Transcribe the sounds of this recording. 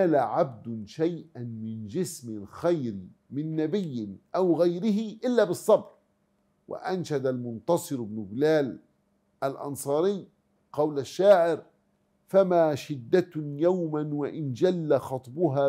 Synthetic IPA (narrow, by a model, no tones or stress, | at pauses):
aːlaʕab̚d̪ʊʃajʔanmɪnd͡ʒɪsmɪlxajɾ | mɪnːabɪjːɪnʔawɣajɾɪɦɪʔɪlːaːbɨsˤːɑbɾ | wʔa̰ʔanʃad̪almʊnt̪ɑsˤɨɾʊbnʊblaːl | ʔalʔɑ̰nsˤɑːɾɪjː | qɑwlaʃːaːʕɪɾ | famaːʃɪd̪ːat̪jawmanwaʔɪnd͡ʒalːaxɑt̪ˤbʊɦaː